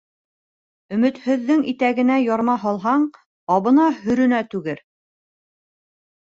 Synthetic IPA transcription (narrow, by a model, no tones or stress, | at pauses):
ɵ̆mɘ̆t̪hɵ̆ðːɘŋit̪æɡɘ̆næjɒɾmɑɦɑlˠɦɑɴ | ɑβɤ̆nɑɦɵ̆ɾɵ̆næt̪ʉɡɘɾ